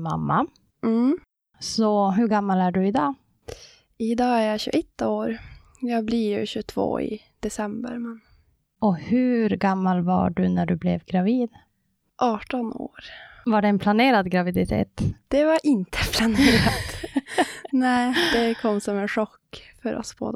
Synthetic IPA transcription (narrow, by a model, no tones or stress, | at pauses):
ma̰mːa | sɔɦɵɾɡamːalæɖɵɪd̪ɑː | ɪd̪ɑːæɾjaɕʉ̰ːʔɛt̪ːaoːɾ | jɑːɡblɪɾjɵɕʉt̪ʰvo̰ːɪ̰ | d̪̥ɛsɛmbə̰ɾmɛn | ʔɔhɵɾɡamːalva̰ɖɵnæɖɵblɛvɡɾaviːd̪ | ʔɑːʈɔno̰ːɾvaɖɛːnpʰlaneːɾad̪ɡɾavɪd̪ɪt̪ʰḛːt̪d̪̥ɛvaɾʔɪnt̪ʰə̥pʰlaneːɾat̪ | nɛːd̪ɛkʰɔmːsɔmɛnʂɔkːfœɾʔɔ̰sb̥o̰ːd̪